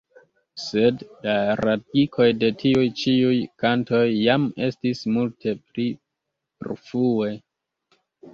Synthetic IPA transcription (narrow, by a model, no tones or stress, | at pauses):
se̞dlaɾatikʰo̞jde̞tʰiujt͡ʃiujkanto̞jːame̞stismultʰe̞pli | pḛɾfue̞